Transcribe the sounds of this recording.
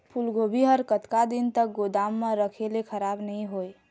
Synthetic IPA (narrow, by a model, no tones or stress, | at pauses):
pʰulɡobʱiɦəɾkət̪kad̪int̪ək̚ɡod̪amːẽɾəkʰelekʰəɾabnəĩɦoe